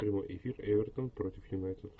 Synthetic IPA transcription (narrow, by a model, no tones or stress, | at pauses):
pɾʲɪmo̰jʔɪ̰fʲirɛvʲɛrt̪ənpɾot̪ʲɪfjʊnajt̪ʲɪt̪